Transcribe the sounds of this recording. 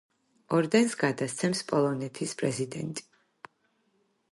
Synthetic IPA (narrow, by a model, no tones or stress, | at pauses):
ɔɾd̪ɛnsɡad̪ast̪sʰɛmspʼɔlˠɔnɛt̪ʰispʼɾɛzid̪ɛnt̪ʼi̥